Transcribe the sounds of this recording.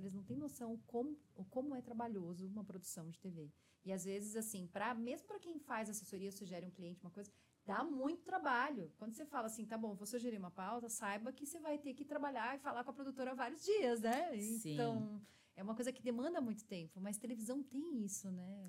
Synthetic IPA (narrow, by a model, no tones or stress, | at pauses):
elɪznɐ̃w̃t̪ẽj̃nosɐ̃w̃kõmʊʊkõmʊɛt̪ɾabaʎozʊũmɐpɾod̪usɐ̃w̃d͡ʒɪt̪eve | ɪazvezɪzasĩpɾɐmezmʊpɾɐkẽj̃fajzɐasesoɾiɐsuʒɛɾɪũkliẽnt͡ʃɪumɐkojzɐ | d̪amũj̃t̪ʊ̥t̪ɾabaʎʊkwɐ̃nd̪ʊsefalɐasĩt̪abõvosuʒeɾiɾũmɐpawt̪ɐsajbɐkɪsevajt̪ekɪt̪ɾabaʎaɪfalaɾkõɐpɾod̪ut̪oɾɐavaɾiʊzd͡ʒiɐz̬nɛẽɐ̃w̃ | ɛũmɐkojzɐkɪd̪emɐ̃nd̪ɐmũj̃t̪ʊ̥t̪ẽmpʊmɐst̪elevizɐ̃w̃t̪ẽj̃isʊnɛ